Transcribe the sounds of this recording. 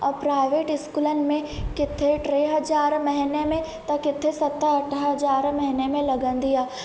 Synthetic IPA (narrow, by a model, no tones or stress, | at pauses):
ɔːpɾaːɪʋeːʈɪskuːlənɪ̆mẽkɪt̪ʰːeʈɾeːɦɐd͡ʒaːɾmɐɦɪnemẽ | t̪ɐ̃kɪt̪ʰesɐt̪ɐʈʰɦɐd͡ʒaːɾmɐɦɪnemẽlɐɡə̃nd̪iaː